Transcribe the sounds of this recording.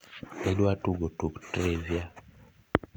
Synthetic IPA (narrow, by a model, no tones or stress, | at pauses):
eɗwatuɡotuktɾezja